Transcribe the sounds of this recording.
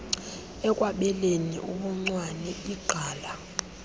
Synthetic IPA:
ɛkʼwaɓɛlenḭʔuɓuŋ͡ǀwanɛiɡ͡ǃʱaːla

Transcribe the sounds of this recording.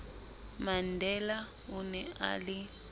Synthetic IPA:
mandʱɛla | unɛa̰li

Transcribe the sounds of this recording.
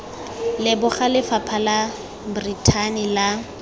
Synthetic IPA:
lɪbʊχalɪfapʰala | britʰanila

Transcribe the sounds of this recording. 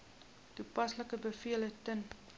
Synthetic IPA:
tupɐsləkəbəfiələtən

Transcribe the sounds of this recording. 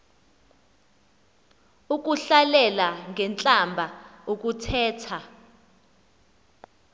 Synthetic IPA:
uk̬ʼuɬalɛlaŋɛnt͡ɬʼambʱaok̬ʼutʰɛːtʰa

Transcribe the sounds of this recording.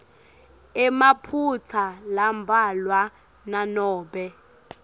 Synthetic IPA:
ɛmapʰut͡sʰalambʱalwa | nanɔːɓɛ

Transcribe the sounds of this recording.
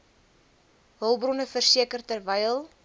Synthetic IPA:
ɦəlˠbrɔnəfərsiəkərtərvɛjəlˠ

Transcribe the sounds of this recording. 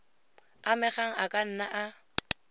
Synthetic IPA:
amɪχaŋ̩akʼan̩naʔa

